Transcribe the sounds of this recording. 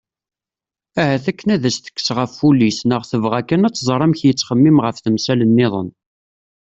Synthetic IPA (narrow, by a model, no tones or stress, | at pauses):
æhæθækːənæðæsθə̥kːsʁəfːulisnəʁθəvʁækːænæt͡sːzˤɾˤæmçjət͡sːχəmːimʁəfθəmsælənːɪðˤə̰n